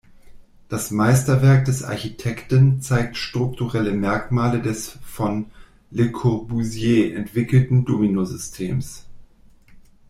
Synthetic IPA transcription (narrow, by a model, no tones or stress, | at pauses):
d̥asmaɪstɐvɛɐk̚d̥ɛsʔa̰ɐçitʰɛktnt͡saɪk̚tʃtʁ̥ʊk̚tuʁɛləmɛɐkmaːlədɛsfɔn | lekʰɔbuzjeːʔɛ̰ntv̥ɪkl̩tn̩doːminozʏstʰḛːms